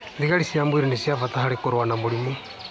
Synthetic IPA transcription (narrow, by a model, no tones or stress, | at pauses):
ðiɣaɾisiambuiɾinisiavataɦaɾekoɾwanamoɾimo